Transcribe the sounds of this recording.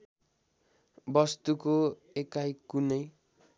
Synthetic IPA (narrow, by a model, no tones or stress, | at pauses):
bʌst̪uko | ekajkunʌj